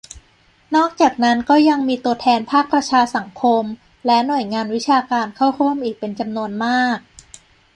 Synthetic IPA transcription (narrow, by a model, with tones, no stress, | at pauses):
nɔː˥˩k̚t͡ɕaː˨˩k̚na˦˥nkɔː˥˩ja˧ŋmiː˧t̪u˧ət̪ʰɛː˧npʰaː˥˩k̚pɾa˧t͡ɕʰaː˧sa˩˦ŋkʰo˧m | lɛ˦˥nu˨˩əjŋaː˧nwi˦˥t͡ɕʰaː˧kaː˧nkʰa˥˩wɾu˥˩əmʔiː˨˩k̚pe˧nt͡ɕa˧mnu˧ənmaː˥˩k̚